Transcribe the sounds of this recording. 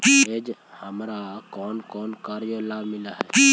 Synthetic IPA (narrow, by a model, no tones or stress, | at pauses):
ed͡ʒhəmɾakɔːnkɔːnkaɾjolabmilaɦɛ